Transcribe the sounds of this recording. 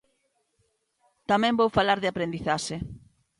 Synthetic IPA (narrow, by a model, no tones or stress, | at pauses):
t̪amɛ̃mbowfalaɾðɪapɾend̪iθaʃe